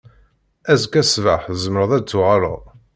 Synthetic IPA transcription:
æzkæsvaħzəmɾəðˤæt͡sːuʁaɾˤə̰

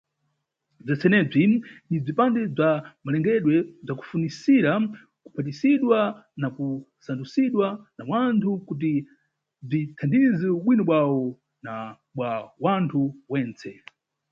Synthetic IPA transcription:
b͡ʐɛt͡sɛnɛb͡ʐinib͡ʐipandɛb͡ʐamalɛŋɡɛɗwɛb͡ʐaku̥funisiɾa | ku̥pʰat̬isiɗwanaku | sandusiɗwanawantʰukut̬i | b͡ʐitʰandizɛuɓwinɔɓwawɔ | na | ɓwawantʰuwɛːnt͡sʰɛ

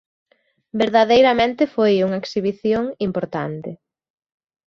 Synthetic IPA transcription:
beɾðaðejɾɐmẽnt̪ɪfojuŋɐeksiβ̞iθjoŋimpoɾt̪a̰nt̪ɪ

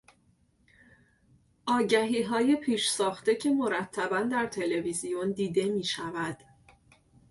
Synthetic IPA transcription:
ʔɒːɟæɦiːɦɒːjepʰiːʃsɒːxt̪e̞cʰe̞mo̞ɾæt̪ʰːæbænd̪æɾt̪ʰe̞le̞vizijond̪iːd̪e̞miːʃævæd̪̥

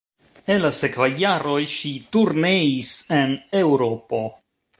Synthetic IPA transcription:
enlase̞kvajːaɾo̞jʃituɾne̞ise̞ne̞wɾo̞po̞

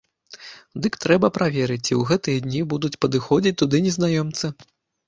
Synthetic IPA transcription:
d̪ɨkt̪ɾɛbɐpɾavʲɛɾɨt͡sʲiwɣɛt̪ɨjɐd̪ʲnʲibud̪ut͡sʲpɐd̪ɨxɔd͡zʲit͡sʲt̪ːud̪ɨnʲɛznajɔmt̪sɐ

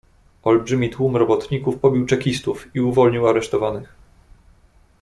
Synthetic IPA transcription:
ɔlbʐɘmʲit̪wumɾɔbɔt̪ɲikufpɔbʲiwt͡ʂɛkʲist̪ufiuvɔlɲiwaɾɛʂt̪ɔvanɘx

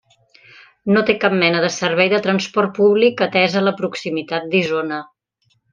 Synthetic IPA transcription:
not̪ekap̚mɛnəðəsəɾβɛjðət̪ɾənspɔrt̪̚puβlikət̪ɛzələpɾuksimit̪at̪̚d̪izonə

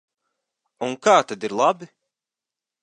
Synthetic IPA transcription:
uŋkaːt̪ad̪iɾlˠabi

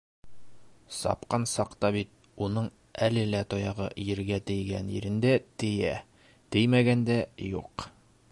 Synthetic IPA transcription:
sɒ̰pqɑnsɑqt̪ɑbit̪̚ | unɤɴ | ælɘlæt̪ɒjɑʁɤ̰jɘ̆ɾɡæt̪ɘ̆jɡænjɘ̰̆ɾɘ̆nd̪æt̪ɘ̆jæ | t̪ɘjmæɡænd̪æjuq

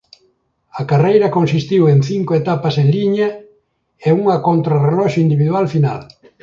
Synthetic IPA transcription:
ɐkarejɾɐkonsist̪iwẽnθiŋkoet̪apasenliɲa | euŋɐkont̪ɾarelɔʃoind̪iβiðwalfina̰l

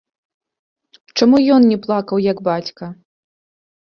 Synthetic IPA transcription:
t͡ʂamujɔnnʲɛplˠakɐwjɐɡbat͡sʲkɐ

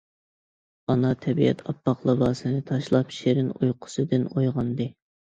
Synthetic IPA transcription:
ɑnɑt̪ʰɛbiɛ̰t̪ʰɑpːɑqlˠɑbɑːsɨnɨt̪ʰɑʃlˠɑpʃeɾɪnojqʰʊ̥sɨd̪ɨnojʁɑnd̪ɨ

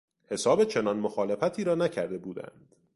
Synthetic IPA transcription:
he̞sɒːbet͡ʃʰe̞nɒːnmoxɒːle̞fæt̪ʰiːɾɒːnæcʰæɾd̪e̞buːd̪æ̰nd̪̥

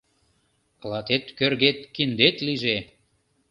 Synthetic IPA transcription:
kəlɑt̪et̪kørɣet̪kind̪et̪liʒe

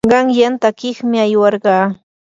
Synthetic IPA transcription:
ɢɑŋjant̪akɪχmɪajwɑɾɢɑː

